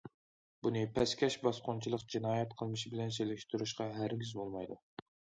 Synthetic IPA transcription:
bunɨpʰɛskʲʰɛʃbɑsqʊnt͡ʃʰilˠəqd͡ʒinɑːjɛt̪̚qʰəlˠmɨʃbɪlɛns̬elɪʃt̪yɾuʃqɑɦæɾɡʲizbolˠmɑjd̪u

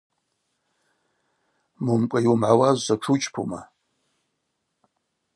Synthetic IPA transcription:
mumkʷʼajumʕawazʷzaʈ͡ʂʰut͡ʃʼpʰṵma̰

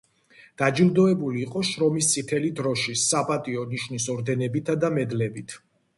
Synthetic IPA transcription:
d̪̥ad͡ʒilˠd̪ɔɛbuliːqʼɔʃɾɔmist̪sʼit̪ʰɛlid̪ɾɔʃisapʼat̪ʼiɔniʃnisɔɾd̪ɛnɛbit̪ʰad̪amɛd̪lɛbit̪ʰ

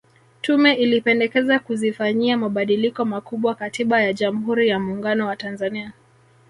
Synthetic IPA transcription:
tumɛʔilipɛndɛkɛzakuzifaɲiamaɓaɗilikɔmakuɓwakatiɓajaʄam̩huɾijamuːŋɡanɔwatanzania

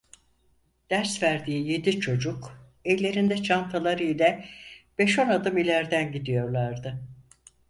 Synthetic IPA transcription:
d̪̥æɾsvæɾd̪iːje̞d̪it͡ʃʰo̞d͡ʒuk | ɛjlʲe̞ɾind̪ɛt͡ʃʰant̪ʰalˠaɾijlʲɛb̥e̞ʃo̞nad̪ɯmilʲæɾd̪ænɟid̪ijo̞ɾlˠaɾd̪ɯ

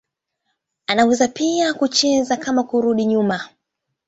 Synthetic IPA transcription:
anawɛzapiakut͡ʃɛzakamakuɾuɗiɲuma

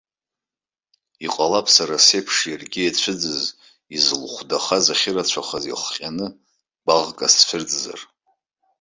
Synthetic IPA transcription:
iqʼalapʰʼsaɾase̞pʰʂjarɡʲiet͡ɕʷʰɨd͡zɨz | izlχʷdaχazaχʲɪrat͡ɕʷʰaχazḭχqʲʼanɨ | b̥aʁkʼasfʰɪrd͡zʼza̰r

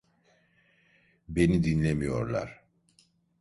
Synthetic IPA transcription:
be̞nid̪inlʲemijo̞̰ɾlˠa̰ɾ̥

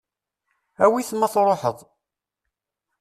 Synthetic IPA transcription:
æwiθəmːæθɾˤoħəðˤ

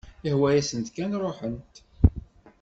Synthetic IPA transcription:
ɪhwæjæsənt̪kænɾˤoħənt̪

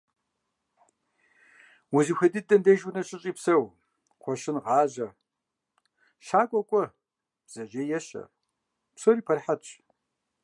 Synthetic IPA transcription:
wuzixʷɐdɨdɐndɐʒnɐɕʼɪɕʼiːpsɐw | qʷʰɔʃɪnʁɑːʑɐ | ʃaːkʷʼɔkʷʼɔ | b̥z̥ɐʑɐjɛɕɐ̰ | psoɾiːpʰɐrħatɕʼ

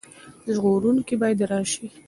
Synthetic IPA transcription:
ʒɣoɾunkibɑjad̪ɾɑʃi

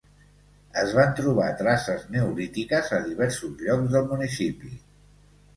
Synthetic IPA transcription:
əzβant̪ɾuβ̞at̪ɾasəznəuɾit̪ikəzəðiβ̞ɛɾsuzʎɔɡzðəlˠmunisipi

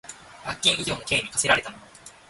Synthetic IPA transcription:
bakʲːĩɰ̃idʲo̞ːno̞ke̞ːɲʲikase̞ɾaɾe̞t̪amoo

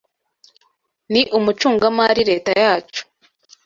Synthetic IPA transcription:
niʔumut͡ʃuːŋɡamaɾiɾe̞ːtajaːt͡ʃu̥

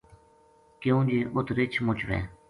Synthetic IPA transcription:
kjõːd͡ʒeːʔʊt̪ɾɪt͡ʃʰmʊt͡ʃʋɛ̰ː

